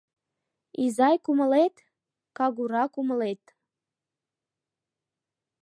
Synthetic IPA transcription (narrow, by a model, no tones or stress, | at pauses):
izɑjkuməlet̪ | kɑɡuɾɑkuməlet̪